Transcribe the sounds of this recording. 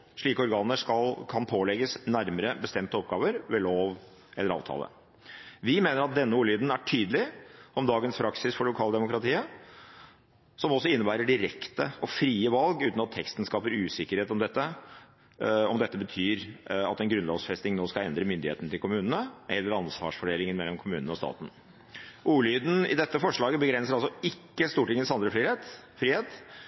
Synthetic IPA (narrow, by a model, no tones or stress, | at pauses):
ʂɭiːkəɔɾɡɑːnəʂkɑlkʰɑnpʰoːlɛɡəsnæɾməɾəbəst̪ɛmt̪əɔp̚ɡɑːʋəɾʋɛloːʋ | ɛlːəɾɑ̰ːʋt̪ʰɑ̰lə̰ | ʋɪmeːnəɾɑt̪̚d̪ɛnːəuːliːd̪n̩æʈʰyːd̪əlɪɔmd̪ɑːɡənspʰɾɑksɪsfɔɭʊkʰɑːld̪ɛmʊkɾɑt̪ʰiːə | sɔmɔsːɔɪnːəbæːɾəɖɪɾɛkt̪əɔfɾiːəʋɑlɡʉːt̪nɑt̪ʰːɛkst̪n̩skɑːpəɾʉːsɪkːəɾheːt̪ɔmd̪ɛt̪ːə | ɔmd̪ɛt̪ːəbət̪ʰyːɾɑ̰t̪ɛnɡɾʉnlɔːʋsfɛst̪ɪŋnoːskɑlɛnd̪ɾəmʏnd̪ɪhḛːt̪ənət̪ʰɪlkʰʊmʉːnənəʔɛlːəɾɑnsʋɑ̰ːʂfɔɖeːlɪŋənmɛlːɔmkʰʊmʉːnənəɔst̪ɑ̰ːt̪n̩ | ʔuːlyːd̪n̩ɪ̰d̪ɛt̪ːəfɔʂɭɑːɡəbəɡɾɛnsəɾɑlsɔɪkːəst̪uːʈɪŋːənsɑnd̪ɾəfɾiːet̪fɾiːheːt̪